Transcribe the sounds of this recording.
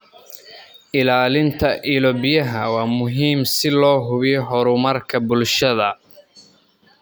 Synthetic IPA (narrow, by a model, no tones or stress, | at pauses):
ʔɪlaːlɪnt̪ʰɐʔilɔbɪjɐɦɐwɑːmʊɦiːmsɪlɔːɦʊβɪjɔɦɔɾʊmɐrkʰɐbʊlʃɐðɐ